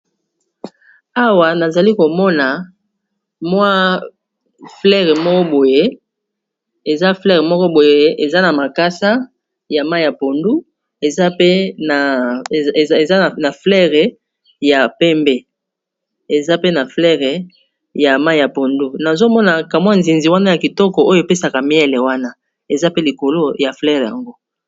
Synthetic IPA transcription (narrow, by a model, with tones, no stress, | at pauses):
a˦wa˨na˨za˨li˦ko˨mɔ˦na˨ | mwa˦ | flɛ˦ʁe˨mɔ˦kɔ˦bo˨je˦ | e˨za˦flɛ˦ʁe˨mɔ˦kɔ˦bo˨je˦e˨za˦na˨ma˨ka˦sa˦ | ja˨ma˦ja˨po˨ndu˦ | e˨za˦pe˦na˨ | e˨za˦˨na˨flɛ˦ʁɛ˨ | ja˨pɛ˦mbe˦ | e˨za˦pe˦na˨flɛ˦ʁɛ˨ | ja˨ma˦i˨ja˨po˨ndu˦na˨zo˦mɔ˦na˨ka˨mwa˦nzi˨nzi˨wa˦na˦ja˨ki˨tɔ˦kɔ˨o˦jo˦˨pe˦sa˨ka˨mi˦ɛ˦le˨wa˦na˦ | e˨za˦pe˦li˨ko˨lo˦ja˨flɛ˦ʁja̰˨ŋɡo˦